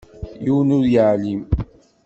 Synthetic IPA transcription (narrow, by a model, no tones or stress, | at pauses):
juwnʊɾjaʕlim